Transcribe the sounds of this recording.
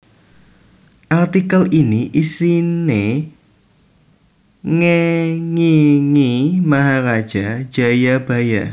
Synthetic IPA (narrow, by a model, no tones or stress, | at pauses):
ʔalt̪ikəliniʔisine | ŋeŋiŋimaɦaɾad̥ʒ̥ad̥ʒ̥a̤jab̥ä̤ja